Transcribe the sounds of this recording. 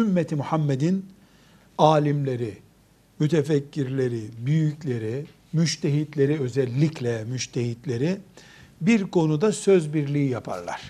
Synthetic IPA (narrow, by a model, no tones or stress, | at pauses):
ymːɛt̪ʰimuhamːed̪in | aːlʲimlʲe̞ɾi | myt̪ʰɛfɛcʰːiɾlʲe̞ɾibyjyclʲe̞ɾi | myʃt̪ʰeɦit̪lʲe̞ɾiø̞zɛlʲːiclʲɛmyʃt̪ʰeɦhit̪lʲe̞ɾi | biɾkʰo̞nud̪asø̞zbiɾlʲiijapʰa̰ɾlˠa̰ɾ̥